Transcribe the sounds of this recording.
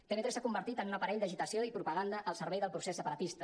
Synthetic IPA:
t̪emet̪ɾesakumbəɾt̪it̪ənunəpəɾɛʎd̪əʒit̪əsioipɾupəɣand̪əʔːlˠsəɾβɛjðəlˠpɾusesːəpəɾət̪ist̪ə

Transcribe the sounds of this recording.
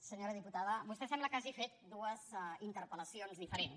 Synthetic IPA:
səɲoɾəðiput̪aðəbust̪ɛsɛmbləkaʒifet̪̚d̪uəzint̪əɾpələsionzðifəɾen

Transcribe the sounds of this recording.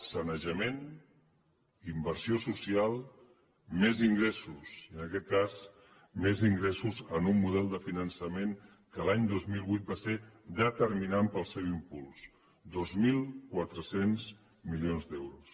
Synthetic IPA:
sənəʒəmen | imbəɾsiosusialˠ | meziŋɡɾɛsusiənəkɛt̪̚kaz | meziŋɡɾɛsuzənumːuð̞ɛlˠd̪əfinənsəmen | kəlaɲd̪ozmilˠβujt̪̚based̪ət̪əɾminampəlˠsɛwimpulˠs | d̪ozmilˠkwat̪ɾəsenz | milijonzd̪ɛwɾus

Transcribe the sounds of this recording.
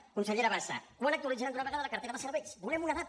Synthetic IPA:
kunseʎeɾaβasa̰kuwanak̚t̪uɾid͡ʒeand̪unaβeɣaðaðlakaɾt̪eɾaβaseɾβejsbulemunaða

